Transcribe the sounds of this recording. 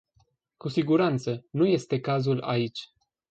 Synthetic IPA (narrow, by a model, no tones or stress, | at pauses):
kusiɡuɾant̪sənuje̞st̪e̞kazula̰it͡ʃʲ